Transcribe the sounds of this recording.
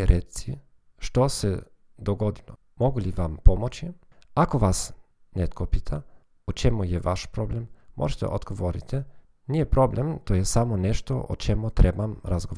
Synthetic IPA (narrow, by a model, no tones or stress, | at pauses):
ɾesi | ʃt̪ose | d̪oɡod̪ilo | moɡuliʋampomot͡ʃiakoʋas | net̪kʰopit̪ʰa | ut͡ʃemujeʋaʃpɾoblemːʔo̰ʒet̪ḛʔod̪ɡ̥oʋoɾḭt̪ʰɛ | nijepɾoblemt̪ojesamoneʃt̪oʔo̰t͡ʃemut̪ɾebamɾazɡo